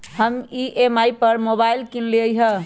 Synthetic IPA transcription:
həmiʔemaipəɾmobailkinleəjɦə

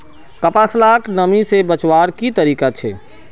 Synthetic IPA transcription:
kɐpaslaːknəmisebət͡ʃwaːɾkit̪əɾiːkat͡ʃʰḛː

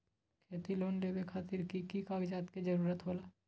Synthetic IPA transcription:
kʰeːt̪iloːnleːbekʰaːt̪ɪɾkikikaːɡd͡ʒaːt̪kid͡ʒəɾuːɾət̪ɦoːlaː

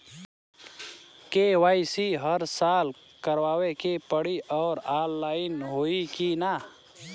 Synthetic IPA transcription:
keːwaːɪsiɦəɾsaːl | kəɾwaːwekepəɽiʔɔːɾaːlːaːɪnɦoːikinaː

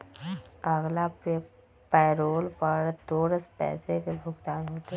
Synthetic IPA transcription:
əɡlape | pɛːɾoːlpəɾt̪oːɾəspɛ̰ːsekebʱʊɡd̪aːnɦoːt̪e

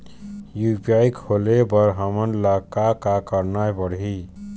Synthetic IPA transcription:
jupiajkʰolebəɾɦəmənlakakakəɾnajbəɽɦi

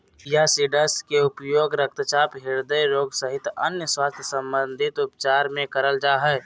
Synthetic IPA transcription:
jasiɖəskeʊpjoːɡɾək̚t̪t͡ʃapɦiɾd̪əjɾoːɡsəɦɪt̪ə̰njəswaːst̪ʰjsə̃mbənd̪ʱɪt̪ʊpt͡ʃaɾmẽkəɾəld͡ʒaːɦɛ

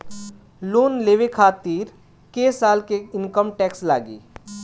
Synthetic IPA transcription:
loːnleːʋekʰaːt̪iːɾ | keːsaːlkeɪnkəmʈɛːksla̰ːɡḭː

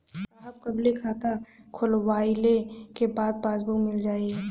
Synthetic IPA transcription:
aːp̚kɐblekʰaːt̪akʰʊlwaːɪlekebaːd̪̚baːzbukmɪld͡ʒaːiɛː

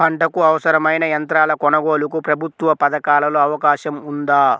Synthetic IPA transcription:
pʰɐɳʈɐkuɐʋɐsɐɾɐmɐjnɐjɐnt̪ɾaːlɐkɔnɐɡo̞ːlukupɾɐbʱut̪ʋɐpɐd̪ɐkaːlɐlo̞ːɐʋɐkaːʃɐmund̪aː

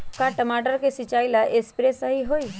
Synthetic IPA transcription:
kaʈəmaʈəɾkesit͡ʃaːjlaʔespɾesəɦiɦoːi

